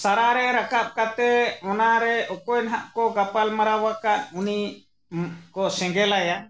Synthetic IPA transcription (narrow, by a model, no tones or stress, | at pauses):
saɾaɾɛɾakap̚kat̪ɛɔnaɾɛɔkɔjnɦaʔkɔɡapalmaɾawakaʔuni | kɔsɛ̃ŋɡɛlaja